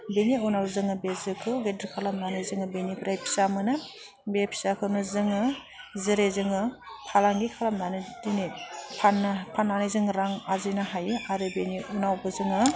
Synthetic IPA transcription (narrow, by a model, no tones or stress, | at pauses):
beniunawzɯŋɯbezɯkʰɯɡediɾkʰalamnanɯzɯŋɯbenipʰɾajpʰi̥samɯnɯ | bepʰi̥sakʰɯnɯzɯŋɯ | zɯɾezɯŋɯ | pʰalaŋɡikʰalamnanɯdinipʰanpʰanːanɯjzɯŋɾaŋazɯjnaɦajɯaɾɯbeniʔunawbɯzɯŋɯ